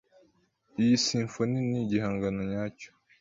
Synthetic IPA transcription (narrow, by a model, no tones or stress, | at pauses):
ijisiːɱfoniniɟihaːŋɡanoɲaːco̥